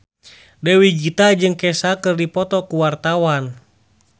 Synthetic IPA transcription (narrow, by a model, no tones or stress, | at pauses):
dɛwid͡ʒit̪ad͡ʒɨŋkɛsakɨrdipɔt̪ɔkuwart̪awan